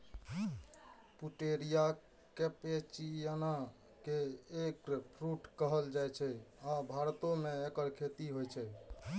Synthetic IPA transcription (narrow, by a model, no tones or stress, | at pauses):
puʈeɾija | kepet͡ʃijana | keːkpʰɾuʈkəɦəld͡ʒajt͡ʃʰɛabʱaɾt̪omeekəɾkʰet̪iɦojt͡ʃʰɛ